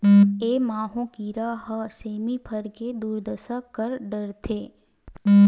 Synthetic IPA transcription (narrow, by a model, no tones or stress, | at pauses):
eːmãːɦõkiːɾaɦəseːmipʰəɾked̪uːɾd̪əsəkkːəɾɖəɾt̪ʰeː